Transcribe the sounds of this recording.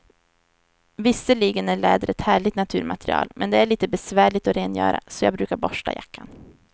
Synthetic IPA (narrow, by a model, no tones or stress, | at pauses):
vɪsːəliːɡənæɭɛːd̪əɾɛt̪hæːɭɪɡt̪nat̪ʰʉ̟ːɾmat̪ɾɪ̰ɑ̰ːlmʔɛnd̪ɛæɭiːt̪əbɛsvæːɭɪt̪ɔɾeːnjœ̰ːɾa̰sɔjɑːɡ̚bɾʉːkaɾbɔʂʈa̰ja̰kʰːan